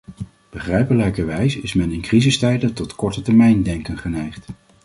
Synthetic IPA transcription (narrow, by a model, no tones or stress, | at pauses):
b̥əχrɛjpəlɛjkəɹʋɛjsɪsmɛnɪnkrizəstɛjdətɔtkɔɹtətɛɹmɛjndɛŋkənχənɛjχt